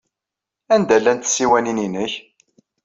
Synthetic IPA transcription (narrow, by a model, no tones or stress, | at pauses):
ænd̪ælːænt̪sːiwænininəç